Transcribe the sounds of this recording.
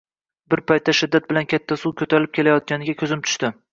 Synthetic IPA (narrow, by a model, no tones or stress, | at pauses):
bɪɾpʰajt̪ʰːaʃɪd̪ːat̪̚bɪlankʲʰat̪ʰːasukʲʰɵt̪ʰaɾlɪp̚kʲʰe̞lajɒt̪̚ɡʲanɪɡʲakʰʲɵzɪmt̪ʰʊ̥ʃt̪ɪ